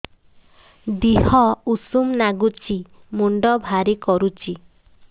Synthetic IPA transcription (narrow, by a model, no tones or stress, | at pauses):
d̪ihɔusumnaɡut͡ʃi | muɳɖɔbʱaɾikɔɾut͡ʃi